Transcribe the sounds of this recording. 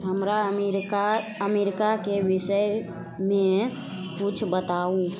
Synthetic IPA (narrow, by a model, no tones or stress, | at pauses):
ɦəmɾamɾkaəmeɾikakebɪsəj | mẽ | kut͡ʃʰbət̪aũ